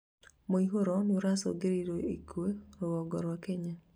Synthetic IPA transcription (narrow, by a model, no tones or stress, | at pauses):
moiɦoɾɔnoɾasɔ̰ɡeɾiɾoikweɾowɔɡɔɾwakeɲa